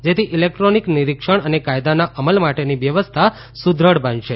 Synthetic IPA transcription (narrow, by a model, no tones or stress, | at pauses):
d͡ʒet̪ʰiʔilek̚ʈɾonikniɾikʃəɳənekajd̪anaʔəməlmaʈeniʋjəʋəst̪ʰa | sud̪ʱɾəɽbʱənʃʰe